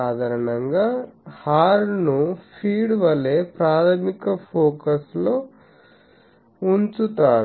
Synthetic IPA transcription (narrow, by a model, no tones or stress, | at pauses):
aːd̪ʱaɾɐnɐŋɡaːhaːɾnupʰiːɖʋɐle̞ːpɾaːt̪ʰɐmikɐpʰoːkɐsloː | unt͡ʃut̪aːɾ